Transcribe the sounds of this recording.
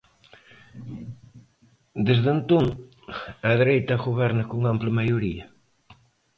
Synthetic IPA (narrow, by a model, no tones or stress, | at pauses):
d̪ezðent̪oŋ | ɐðɾejt̪ɐɣoβɛɾnɐkoŋamplɪmajoɾiɐ